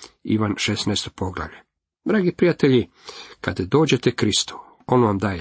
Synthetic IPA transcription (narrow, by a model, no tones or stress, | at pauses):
ḭʋanʃesnajst̪opo̞ɡla̰ʋʎe | d̪ɾaːɡipɾijat̪eʎi | kad̪d̪o̞ːd͡ʑet̪ekɾist̪u̥ | o̞nʋamd̪aːje